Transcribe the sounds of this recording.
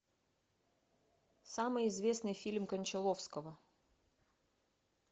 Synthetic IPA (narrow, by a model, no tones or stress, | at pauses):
samɨjɪzvʲe̞snɨjfʲilʲmkənʲt͡ɕɪlˠofskəvə